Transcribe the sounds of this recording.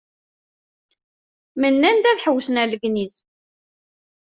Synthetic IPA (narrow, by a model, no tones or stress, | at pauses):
mənːænd̪æθħəwːsənæləɡniz